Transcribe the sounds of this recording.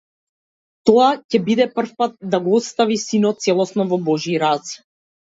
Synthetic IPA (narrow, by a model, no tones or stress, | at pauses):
t̪ɔacɛbid̪ɛpr̩fpat̪̚d̪aɡɔɔt̪st̪avisinɔt̪̚sɛlˠɔsnɔvɔbɔʒiɾas